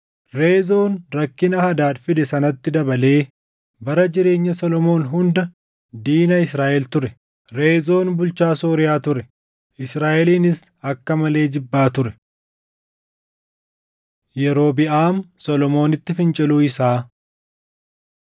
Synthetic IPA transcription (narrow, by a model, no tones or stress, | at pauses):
ɾe̞ːzo̞ːnɾɐkːɪnɐhɐd̪aːt̪fɪd̪ɛsɐnɐt̪ːɪd̪ɐbɐle̞ː | bɐɾɐd͡ʒɪɾe̞ːɲːɐsɔlɔmo̞ːnɦʊnd̪ɐ | d̪iːnɐɪsɾaːʔɛlt̪ʊɾɛ | ɾe̞ːzo̞ːnbʊlt͡ʃaːsoːɾɪjaːt̪ʊɾɛ | ʔɪsɾaːʔɛliːnɪs | ɐkːɐmɐle̞ːd͡ʒɪbːaːt̪ʊɾɛ̥ | jɛɾo̞ːbɪʔaːmsɔlɔmo̞ːnɪt̪ːɪfɪnt͡ʃʼɪluːɪsaː